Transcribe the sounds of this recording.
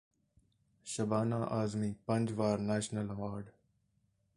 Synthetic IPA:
ʃɐbaːnaːʔaːzmiːpə̃nd͡ʒʋaːɾneːʃnəlɐʋaːɾɖ

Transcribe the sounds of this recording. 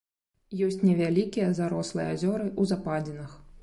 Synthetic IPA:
jɔsʲt͡sʲnʲɛvʲalʲikʲijɐzaɾɔslˠɨjɛ̰azʲɔɾɨʔuzapad͡zʲɪnɐx

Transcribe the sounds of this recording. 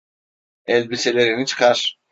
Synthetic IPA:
ɛlʲbiselʲeɾinit͡ʃʰɯ̥kʰaɾ̥

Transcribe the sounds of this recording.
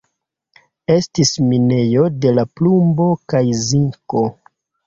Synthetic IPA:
e̞stismine̞jo̞de̞laplumbo̞kajziŋko̞

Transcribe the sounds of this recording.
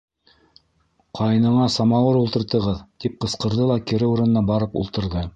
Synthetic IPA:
qʰɑjɤ̆nɤ̆ɴɑsɑmɑwɤɾulˠt̪ɤ̆ɾt̪ɤ̆ʁɤðt̪ip̚qɤ̆sqɤ̆ɾðɤlˠɑkɘ̆ɾɘuɾɤ̆nɤ̆nɑbɑɾɤpṵlˠt̪ɤ̆ɾðɤ

